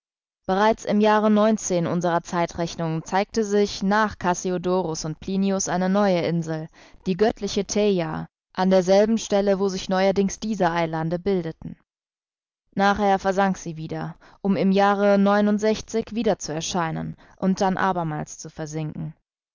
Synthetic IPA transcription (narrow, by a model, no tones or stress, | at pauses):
b̥əʁaɪt͡sɪmjaːʁənɔʏnt͡seːnʔʊ̰nzəʁɐt͡saɪtʁɛçnʊŋt͡saɪk̚təzɪçnaːχkʰasiodoːʁʊsʊnt̚pʰl̥iːniʊsʔaɪnənɔʏəʔɪnzl̩ | d̥iːɡœtʰlɪçətʰɛja | ʔandeːɐzɛlbm̩ʃtɛləvoːzɪçnɔʏɐdɪŋsd̥iːzəʔaɪlandəbɪldətn̩ | naːχheːɐfɛɐzaŋkz̥iːviːdɐ | ʔʊmɪmjaːʁ̞ənɔʏnʊntz̥ɛçt͡sɪçv̥iːdɐt͡suɛɐʃaɪnə̰n | ʔʊnt̚d̥anʔa̰ːbɐma̰ːlst͡sufɛɐzɪŋkŋ̩